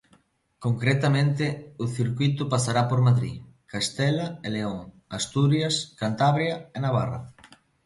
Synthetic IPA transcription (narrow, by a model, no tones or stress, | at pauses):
koŋkɾet̪amẽnt̪ɪʊθiɾkwit̪ʊpasaɾapoɾmaðɾḭ | kast̪ɛlaeleoŋ | ast̪uɾjaskant̪aβɾjaenaβ̞a̰ra̰